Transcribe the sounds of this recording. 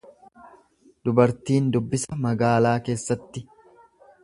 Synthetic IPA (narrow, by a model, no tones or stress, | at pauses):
d̪ʊbɐɾt̪iːnd̪ʊbːɪsɐmɐɡaːlaːke̞ːsːɐt̪ːɪ